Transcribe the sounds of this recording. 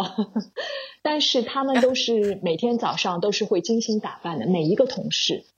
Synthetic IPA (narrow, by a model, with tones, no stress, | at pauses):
t̪a˥˧nʂɻ̩˥˩t̪ʰa˥mə˨nt̪o˥ʊʂɻ̩˥˩me˨˩ɪt̪ʰjɛ˥nt͡sɑ˨˩ʊʂɑ˥˧ŋt̪o˥ʊʂɻ̩˥˧xwe˥˩ɪt͡ɕi˥˩ŋɕi˧˥ŋt̪a˨˩pa˥˩nd̪ə˩me˨˩ɪi˧˥ɡə˧t̪ʰʊ˧˥ŋʂɻ̩˥˩